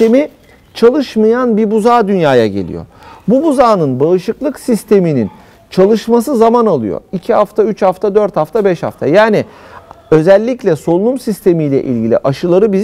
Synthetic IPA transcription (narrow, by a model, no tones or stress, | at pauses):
emi | t͡ʃʰalˠɯʃmajanbibuzaːd̪ynjaːjaɟe̞̰lʲḭjo̰ɾbubuzaːnɯnbaɯʃɯklˠɯksist̪ʰe̞minḭn | t͡ʃʰalˠɯʃmasɯzamanalˠɯ̰jo̰ɾicʰihaft̪ʰayt͡ʃhaft̪ʰad̪øɾt̪haft̪ʰabɛʃha̰ft̪ʰa̰jaːni | ø̞zɛlʲːiclʲɛso̞lˠunˠumsist̪ʰe̞mijlʲɛ̰ʔḭlʲɟilʲḭʔaʃɯlˠaɾɯbi